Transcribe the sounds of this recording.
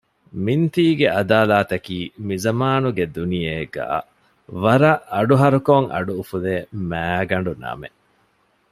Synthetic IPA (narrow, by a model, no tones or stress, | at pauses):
mint̪iːɡeɐd̪aːlaːt̪ɐkiːmizɐmaːnuɡed̪unijeːɡa̰ː | ʋɐɾɐʔɐɖuɦɐɾukoŋɐ̰ɖuːfuleːmæːɡɐɳ̆ɖunɐ̰me